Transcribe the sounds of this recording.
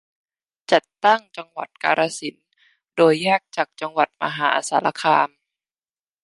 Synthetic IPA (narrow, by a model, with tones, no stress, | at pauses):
t͡ɕa˨˩t̪ːa˥˩ŋt͡ɕa˧ŋwa̰˨˩t̪̚ka̰ː˧ɾʔaː˧si˩˦n | doː˧jːaː˥˩k̚t͡ɕaː˨˩k̚t͡ɕa˧ŋwa˨˩t̪̚ma̰˧ɦaː˩˦ʔa̰˧saː˩˦lʔa˧kʰaː˧m